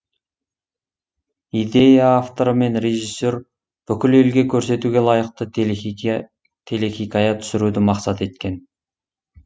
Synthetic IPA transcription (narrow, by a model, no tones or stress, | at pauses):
id̪e̞jaːft̪o̞ɾəme̞nɾe̞ʒisːo̞ɾ | b̥ʏkʲɪle̞lɡʲe̞kʲʰɵɾse̞t̪uɡʲe̞lˠɑjəq̚t̪ə | t̪ʰe̞leχʲijkɑjɑt̪ʰʏ̥sɪɾud̪ɪmɑqsɑt̪e̞t̪kʲe̞n